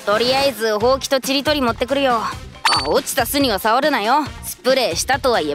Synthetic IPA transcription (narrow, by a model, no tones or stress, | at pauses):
t̪o̞ɾʲiaizɨɦo̞ːkʲi̥t̪o̞t͡ɕiɾʲit̪o̞ɾʲimo̞t̪ːe̞k̬ɯ̟ɾɯ̟jo̞ | a̰ot͡ɕi̥t̪asɨɲ̟iβasaβaɾɯ̟najo̞sɨ̥pɯ̟ɾe̞ːɕi̥t̪at̪o̞β̞aie